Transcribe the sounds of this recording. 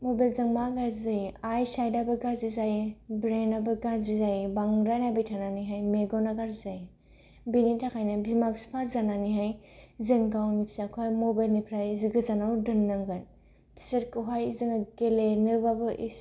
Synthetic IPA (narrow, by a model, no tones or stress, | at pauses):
mobalzaŋmaɡaɾzizajiajsajdabɯɡaɾzizajibɾenabɯɡaɾzizajibaŋɾajnabijtʰananiɦajmeɡɔnaɡaɾzizaji | binitʰakʰajnɯbimakspʰazananiɦaj | zɯŋɡawnipʰsakʰoɦajmobajlnipʰɾajziɡɯzanawdɯnːaŋɡan | pʰi̥setkɯɦajzɯŋaɡelenɯbabɯʔḭs